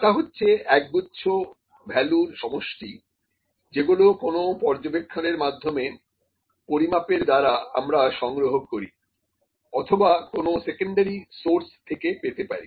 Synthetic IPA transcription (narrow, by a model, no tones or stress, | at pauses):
ʈaɦotːɕʰeɛk̚butːɕʰo | bʱɛluɾʃɔmoʃʈi | d͡ʑeɡulokonopɔɾd͡ʑobekʰːaneɾmad̪ʱːome | poɾimapeɾd̪aɾaamɾaʃɔŋɡɾoɦokoɾi | ɔt̪ʰobakonosekoɳɖaɾisoɾst̪ʰekepet̪epaɾḭ